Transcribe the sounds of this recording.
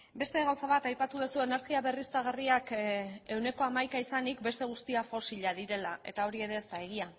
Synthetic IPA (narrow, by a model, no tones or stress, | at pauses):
be̞st̪e̞ɣawsaβ̞at̪ajpat̪uð̞osuene̞ɾɣiaβe̞rist̪aɣ̞ariake̞wne̞ko̞amajkaisanikbe̞st̪e̞ɣ̞ust̪iafo̞siʎaðiɾe̞lae̞t̪ao̞ɾie̞ɾe̞ːst̪ae̞ɣ̞ia